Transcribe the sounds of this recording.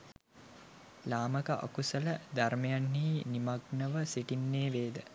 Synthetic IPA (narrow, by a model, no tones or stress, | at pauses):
laːməkəʔa̰kusələd̪aɾmɐjanːiːnimaɡnəʋəsiʈinːeːʋeːd̪ə